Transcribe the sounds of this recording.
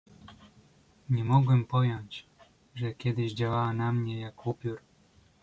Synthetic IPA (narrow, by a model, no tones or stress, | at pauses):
ɲɛmɔɡwɛmpɔjɔɲt͡ɕ | ʐɛkʲjɛd̪ɘʑd͡ʑawawanamɲɛjakupʲjuɾ